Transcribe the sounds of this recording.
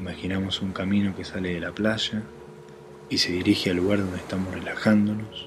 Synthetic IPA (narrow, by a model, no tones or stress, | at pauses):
imaxinamo̞suŋkamĩno̞ke̞sale̞ðe̞laplaʒa | ise̞ðiɾixealːuɣaɾð̞o̞nd̪eht̪amosrelaxand̪o̞no̞s